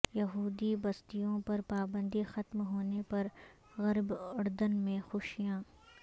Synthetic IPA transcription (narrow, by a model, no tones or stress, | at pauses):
jɐɦuːd̪ibɐst̪ijõpɐɾpaːbə̃nd̪ixɐt̪mɦoːnepɐɾ | ɣɐɾbɐɽd̪ənmẽxʊʃijãː